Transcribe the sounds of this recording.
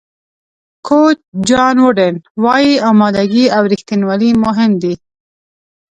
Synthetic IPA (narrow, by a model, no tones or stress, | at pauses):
kʰot͡ʃd͡ʒɑnwʊɖenwɑjiɑmɑd̪aɡiawɾixt̪inwalimʊɦɪmd̪i